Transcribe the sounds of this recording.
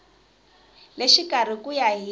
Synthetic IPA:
leʃikar̤ikujaɦi

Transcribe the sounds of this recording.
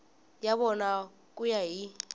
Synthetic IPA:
jaɓɔna | k̬ʼujaɦi

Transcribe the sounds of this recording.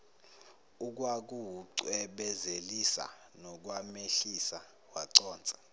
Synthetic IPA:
uk̬wak̬uwuǀwɛɓɛzelisa̰ | nɔk̬wameɬisa | waǀɔːnt͡sʼɛ̥

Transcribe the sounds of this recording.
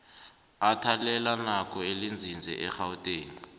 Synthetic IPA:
atʰalɛlanak̬ʰʼɔelind͡zʱind͡zʱɛ̰ʔɛxautʼeːŋii

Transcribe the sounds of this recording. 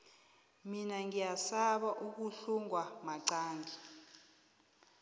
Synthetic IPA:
minaŋijasaɓaʔuk̬uɬuŋwamaǀaːŋɡi

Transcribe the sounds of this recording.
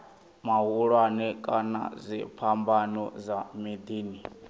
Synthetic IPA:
maɦuɺwanɛkʼana̰zʷipʰambanɔ̰zʷamid̪iːni

